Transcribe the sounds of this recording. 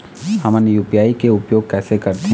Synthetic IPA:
hɐmənjuːpijaːikeʊpjoːɡ̚kɛːsekɐɾt̪e

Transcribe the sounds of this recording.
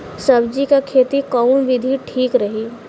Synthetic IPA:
sɐbd͡ʒikakʰeːt̪ikaːmʋɪd̪ʱiʈʰiːkɾɐɦiː

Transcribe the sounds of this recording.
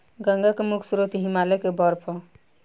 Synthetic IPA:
ɡə̃ŋɡakemukʰsuɾot̪iɦimalekebɔɾpʰɔ

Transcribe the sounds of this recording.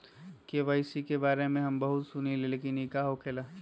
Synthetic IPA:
keʋəɪsikebaːɾemẽɦɐmbɐɦʊt̪sʊnileleːkinikaɦokʰeːla

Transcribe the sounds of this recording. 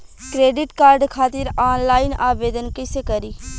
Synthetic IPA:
kɾeːɖɪʈkaːɾɖkʰaːt̪ɪɾaːnlaːɪnaːʋeːd̪ənkɪsekɐɾiː

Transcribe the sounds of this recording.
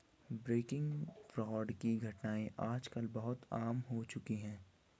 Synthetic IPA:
bɾeːkɪ̃ŋɡfɾɔːɖkiɡʱɐʈnaːẽʔaːd͡ʒkəlbɐɦʊt̪aːmɦot͡ʃʊkiɦɛ̃ː

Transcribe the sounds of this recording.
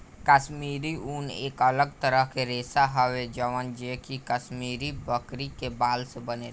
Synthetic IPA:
kəʃmiːɾiuːnḛːkələɡ̚t̪əɾəɦkeɾeːsaɦəʋed͡ʒəʋənd͡ʒeːkikəʃmiːɾibəkɾikebaːlsebəne

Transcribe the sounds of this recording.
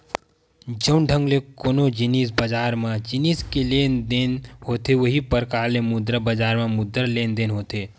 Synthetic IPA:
d͡ʒənɖʱə̃ŋɡlekoːnod͡ʒɪniːsbəd͡ʒaːɾmãd͡ʒɪniːskeleːnd̪eːnɦoːt̪eʋɐɦipəɾkaːɾlemʊd̪ɾəbəd͡ʒaːɾmãmʊd̪əɾleːnd̪eːnɦoːt̪eː

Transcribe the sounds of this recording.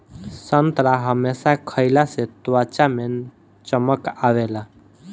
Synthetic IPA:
sənt̪ɾaɦəmesakʰəjlaset̪wat͡ʃame | t͡ʃəməkaʋela

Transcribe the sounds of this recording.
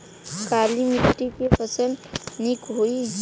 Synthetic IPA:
kalimiʈikepʌsəlnikɦoj

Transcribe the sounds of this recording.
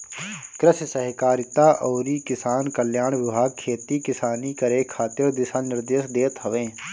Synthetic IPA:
kɾɪʃsəɦɪkaːɾɪt̪aʔɔːɾikɪsaːnkəljaːɽ̃ʋɪbʱaːɡ̚kʰːeːt̪ikɪsaːnikəɾekʰaːt̪ed̪ɪsanɪɾd̪eːʃd̪eːt̪ɦəʋẽː

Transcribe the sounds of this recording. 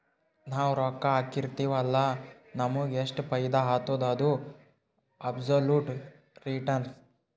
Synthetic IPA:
naːwɾɔkːɐaːkiɾt̪iːʋɐlːɐ | nɐmuɡeʂʈpɐjd̪aɦaːt̪oːd̪ɐd̪u | ɐbsoluːʈ | ɾiʈɐns

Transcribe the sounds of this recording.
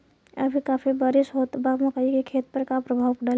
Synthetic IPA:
ə̰bʱikaːpʰibaɾisɦot̪baməkəikekʰeːt̪̚pəɾkapɾəbʱaːwkɖal

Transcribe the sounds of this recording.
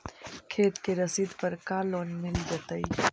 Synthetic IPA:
kʰeːt̪keɾəsid̪pəɾkaloːnmɪld͡ʒət̪əi

